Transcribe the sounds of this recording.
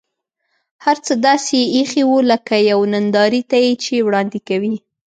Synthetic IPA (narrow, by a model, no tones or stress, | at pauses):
haɾt͡səd̪ɑseixiwuləkajawnand̪ɑɾit̪ajet͡ʃewɽɑnd̪ɪkawi